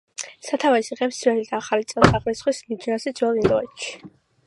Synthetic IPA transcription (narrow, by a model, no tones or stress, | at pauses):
sat̪ʰavɛsiʁɛpsɾɛlid̪aaχalit̪sʼɛlˠsaχlisχwismid͡ʒiasid̪zwɛlind̪ɔɛt̪ʃi̥